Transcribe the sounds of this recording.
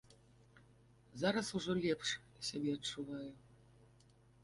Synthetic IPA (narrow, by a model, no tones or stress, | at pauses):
zaɾasuʐolʲepʂ | sʲebʲeətt͡ʂːuvɑjʊ